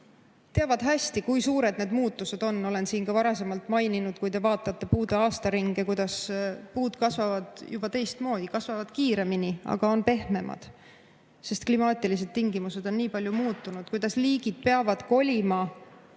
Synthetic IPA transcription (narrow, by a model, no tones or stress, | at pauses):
t̪eɑvɑd̪̥ɦæsʲt̪ikujsuːɾe̞d̪ne̞d̪muːt̪ːˑuse̞d̪o̞nːo̞le̞nsiːnkɑvɑɾɑse̞mɑlt̪ːˑmɑjninud̪̥̚kujd̪e̞vɑːt̪ːˑɑt̪ːe̞puːd̪eɑːst̪ɑɾiŋɡ̥ekujd̪̥ɑspuːd̪̥kɑsvɑvɑd̪̥jub̥ɑt̪e̞jst̪mo̞ːd̪̥ikɑsvɑvɑd̪̥kiːɾe̞miniɑ̰ɡ̥ɑo̞npe̞hme̞mʔɑ̰d̪̥ | se̞st̪̚klimɑːt̪ʲilis̬e̞d̪̥̚t̪iŋɡimuse̞d̪̥o̞nːiːpɑlʲjumuːt̪ːˑunud̪̥̚kujd̪̥ɑsliːɡ̥id̪̥̚pe̞ɑvɑd̪̥ko̞lʲimɑ